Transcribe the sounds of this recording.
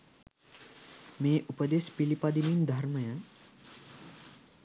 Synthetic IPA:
meːʔupəd̪espilipad̪imind̪ʱɐɾməjə

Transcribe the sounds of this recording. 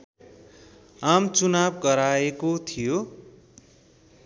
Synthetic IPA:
amt͡sunabɡʌɾaekot̪ʰijo

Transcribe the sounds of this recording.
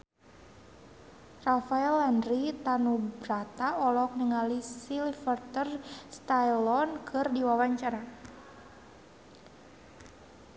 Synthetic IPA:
rafaɛlandɾit̪anubɾat̪aɔlɔk̚nəŋalisilifərt̪ərst̪ajlɔnkʰɨrdiwawaɲt͡ʃaɾa

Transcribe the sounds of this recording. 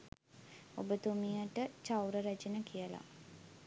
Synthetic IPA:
o̰bət̪umijəʈət͡ʃawɾəɾæt͡ʃenəkijəla̰

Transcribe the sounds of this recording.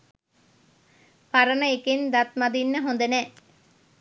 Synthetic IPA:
paɾənəekend̪at̪mad̪inːəɦond̪ənɛː

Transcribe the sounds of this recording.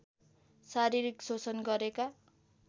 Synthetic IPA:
saɾiɾiksot͡sʌnɡʌɾeka

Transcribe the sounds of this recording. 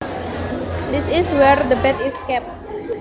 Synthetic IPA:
d̪isiswɛrd̪əbɛt̪iskɛp̚t̚

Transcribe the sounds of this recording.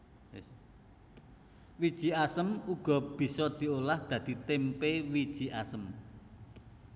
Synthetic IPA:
wid̥ʒ̥i̤asəmuɡ̥ɔ̤b̥i̤sɔd̪̥i̤olahd̪̥ä̤d̪̥i̤t̪empewid̥ʒ̥iʔasəm

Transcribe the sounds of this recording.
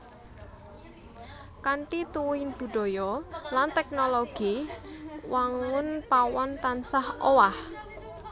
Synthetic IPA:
kaɳʈit̪uwuhɪnb̥ṳɖ̪̥ɔ̤jɔlant̪ɛk̚noloɡ̥i | waŋʊnpawɔnt̪ansahowah

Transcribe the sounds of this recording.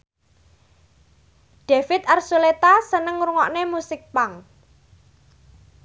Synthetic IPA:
ɖ̥efɪt̪̚arsulet̪asənəŋɾuŋɔʔnemusɪk̚paŋ

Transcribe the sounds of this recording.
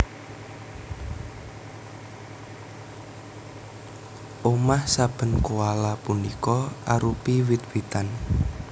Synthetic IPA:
ʔomahsab̥ə̤nkualapunikɔʔaɾupiwit̪̚wit̪an

